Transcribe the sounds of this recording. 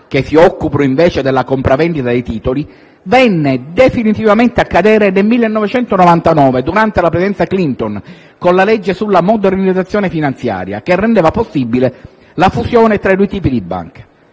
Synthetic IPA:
k̟esiɔkːupɾoiɱvɛːt͡ʃed̪elːakompɾavɛnd̪it̪ad̪ejt̪iːt̪oli | vɛnːed̪efinit̪ivament̪eakːad̪ɛːɾenelmilːenːɔvet͡ʃɛnt̪onɔvant̪anɔːved̪uɾant̪elapɾesid̪ɛnt̪saklint̪on | konlalɛd͡ʒːesulːamod̪eɾinid̪zat̪sːjoːnefinant̪sja̰ːɾja̰kerːend̪eːvaposːibile | lafusjɔːnet̪ɾaid̪ujt̪iːpid̪ibːa̰ŋke̥

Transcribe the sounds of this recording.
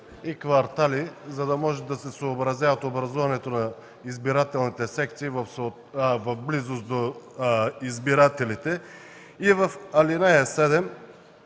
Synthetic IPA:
ikvɐɾt̪alizɐd̪ɐmɔʒɛd̪ɐsɛsoːbɾɐzjavɐt̪obɾɐzuvɐnɛt̪onɐ | izbiɾat̪ɛlˠnit̪ɛsɛk̚t̪siːvɐfso | vɐfblizost̪d̪o | izbiɾat̪ɛlit̪ɛ | ivɐfɐlinajasɛd̪ɛm

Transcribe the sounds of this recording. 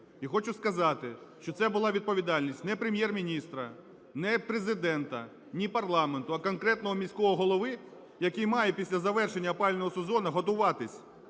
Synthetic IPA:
ixɔt͡ʃʊskɐzɑt̪ɪʃt͡ʃɔt̪sɛbʊlˠɑʋʲid̪̚pɔʋʲid̪ɑlʲnʲisʲtʲnɛpɾemʲjɛrmʲinʲist̪ɾɐ | nɛpɾezɪd̪ɛnt̪ɐ | nʲipɐrlˠɑment̪ʊɐkɔnkɾɛt̪nɔɦɔmʲisʲkɔɦɔɦɔlˠɔʋɪ | jɐkijmɑjɛpʲisʲlʲɐzɐʋɛrʃenʲːɐpɑlʲnɔɦɔsɔzɔnɐɦɔt̪̬ʊʋɑt̪ɪsʲ

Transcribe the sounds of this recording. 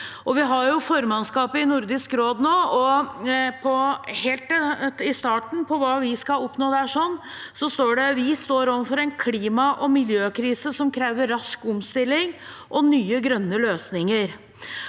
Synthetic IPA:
ʔɔʋɪɦɑɾjʊfɔɾmɑnskɑːpəɪnʊɾd̪ɪskɾoːd̪noːɔ | pʰɔheːlt̪ɪst̪ɑːʈɳ̩pʰɔʋɑːʋɪskɑɔpnoːd̪æːʂɔnː | sɔst̪oːɖɛʋɪst̪oːɾɔʋəfɔɾɛɪnkʰliːmɑʔɔmɪljøːkʰɾiːsəsɔmkʰɾeːʋəɾɾɑskʊmst̪ɪlːɪŋʔɔnyːəɡɾœnːəløːsnɪŋəɾ

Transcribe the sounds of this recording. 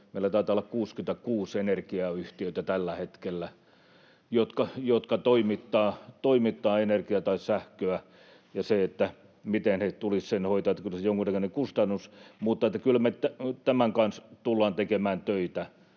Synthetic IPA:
meilæt̪ɑˑit̪ɑlːɑkkuːskynt̪ækuːsenerkiɑyht̪iøit̪æt̪ælːæhet̪kelːæ | jot̪kɑjot̪kɑt̪oimit̪ːɑːt̪oimit̪ːɑːenerkiɑt̪ɑissæhkøæ | jɑseet̪ːæ | mit̪enhet̪ulissenhoit̪ɑːt̪ːækylsejoŋkunækønekust̪ɑnːusmuːt̪ːɑet̪ːækylmet̪æt̪æmæŋkɑnst̪ulːɑːnt̪ekemæːnt̪øit̪æ

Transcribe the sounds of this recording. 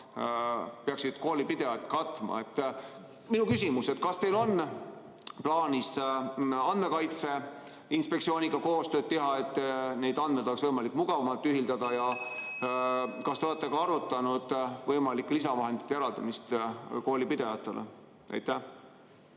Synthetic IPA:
peɑksid̪̥ko̞ːlipid̪̥e̞jɑt̪ːˑkɑt̪ːˑmɑ̰e̞t̪ː | minukys̬imuse̞t̪kɑst̪e̞jlo̞n | plɑːnʲis | ɑnd̪me̞kɑjt̪se̞ | inspe̞ktsio̞ːnʲiɡ̥ɑko̞ːst̪øːd̪̥̚t̪e̞ɦɑe̞t̪ːˑne̞jd̪̥ɑn̥med̪o̞leksvɤjmɑlikːˑmuɡ̥ɑvɑmɑlt̪ːˑyɦild̪̥ɑd̪̥ɑjɑ | kɑst̪eole̞t̪ːˑeɡ̥ɑɑɾut̪ːˑɑnud̪̥vɤjmɑlikːˑlisɑvɑɦe̞nd̪it̪ːejeɾɑld̪̥ɑmist̪koːlipid̪̥e̞vɑt̪ːˑe̞̰lʔḛ | ḛjt̪ːˑæ

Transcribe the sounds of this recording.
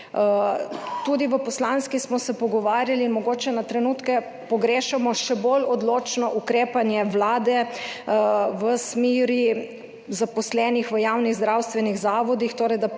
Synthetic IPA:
t̪ud̪iʋəpɔslanskismɔsɛpɔɡɔʋaːɾjalinmɔɡoːt͡ʃɛnat̪ɾɛnuːt̪kɛ | pɔɡɾeːʃɛmɔʃɛbolɔd̪loːt͡ʃnɔʔukɾeːpanjɛʋlaːd̪ɛ | ʋəsmiːɾi | zapɔslɛːnixʋəjaːwniɣzd̪ɾawst̪ʋɛniɣzaːʋɔd̪ixt̪oːɾɛjd̪a

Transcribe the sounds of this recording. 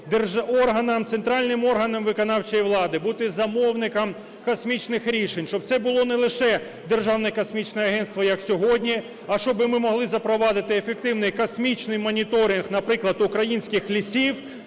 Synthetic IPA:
d̪erʒɔrɦɐnɐmt̪sent̪ɾɑlʲnɪmɔrɦɐnɐmʋɪkɔnɑwt͡ʃejiʋlˠɑd̪ɪbut̪ɪzɐmɔwnɪkɐm | kɐsmʲit͡ʃnɪxɾʲiʃenʲt͡ʃɔb̚t̪sɛbʊlˠɔnɛlˠɪʃɛ | d̪erʒɑwnɛkɐsmʲit͡ʃnɛɐɦɛnt̪st̪ʋɐjɐksʲɔɦɔdʲnʲi | ɐʃt͡ʃɔbɪmɪmɔɦlˠɪzɐpɾɔʋɑd̪ɪt̪ɪefek̚t̪ɪwnɪjkɐsmʲit͡ʃnɪjmɔnʲit̪ɔɾʲɪnxnɐpɾɪklˠɐd̪ʊkɾɐjinʲsʲkɪxlʲisʲiw

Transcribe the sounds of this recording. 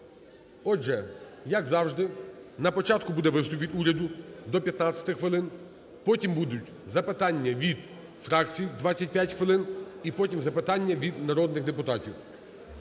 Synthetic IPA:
ɔʒɛjɐɡzɑwʒd̪ɪnɐpɔt͡ʃɑt̪kʊbud̪ɛʋɪst̪ʊpʲit̪ʲuɾʲɐd̪ʊd̪ɔpʲjɐt̪nɑt͡sʲɐ̥t̪ɪxʋɪlˠɪn | pɔtʲimbud̪ʊtʲ | zɐpɪt̪ɑnʲːɐʋʲid̪ | fɾɑkt͡sʲijid̪ʋɑt͡sʲːɐt̚ʲpʲjatʲxʋɪlˠɪnipɔtʲimzɐpɪt̪ɑnʲːɐʋʲid̪nɐɾɔd̪nɪɣd̪epʊt̪ɑtʲiw

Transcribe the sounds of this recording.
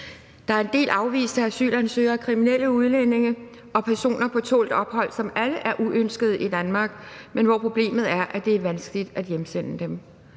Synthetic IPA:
d̥ɑ̈æɐe̝nd̥e̝̰ːlʔɑ̈ʊʋḭːsd̥ʰææsy̰ːlænsø̰ːɐkʰʁiminel̰əuð̞ˠlene̝ŋə | ʔɒ̽pʰæɐso̝̰ːnɐpʰɒ̽t͡sʰɔ̰ːld̥ɒ̽b̥hɒ̽l̰sɒ̽mæləʔæɐʔuʔønsɡ̥əð̞̩ˠʔid̥ænmɑ̈ːɡ̥menʋɒpʰʁo̝b̥le̝̰ːmð̞̩ˠæɐʔæd̥e̝æɐʋænsɡ̥əlid̥æd̥jemsen̰əd̥em

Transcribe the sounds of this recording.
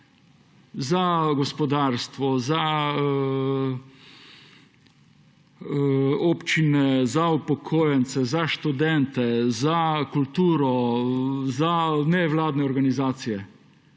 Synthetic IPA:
zaɡɔspɔd̪aːɾst̪ʋɔza | ɔpt͡ʃinɛzaupɔkʰoːjɛnt̪sɛzaʃt̪ud̪ɛnt̪ɛzakult̪uːɾɔ | zanɛʋlaːd̪nɛɔɾɡanizaːt̪sijɛ

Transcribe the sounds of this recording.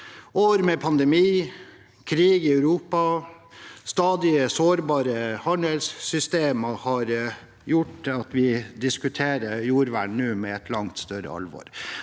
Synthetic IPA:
ʔoːɾmɛpʰɑnd̪ɛmiː | kʰɾiːɡɪɑʉɾuːpɑ | st̪ɑːd̪ɪəsoːɾbɑːɾəhɑɳəlsːʏst̪eːməhɑɾ | jʊʈːɑt̪ʋɪd̪ɪskʉt̪ʰeːɾəjuːɾʋæɳnʉːmɛɛt̪ʰlɑŋt̪st̪œɾə̰ɑ̰lʋɔ̰ɾ

